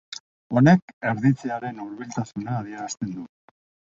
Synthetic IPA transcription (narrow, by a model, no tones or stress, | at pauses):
o̞ne̞ke̞ɾðit͡seaɾe̞nuɾβilt̪asunaːðie̞ɾast̪e̞nd̪u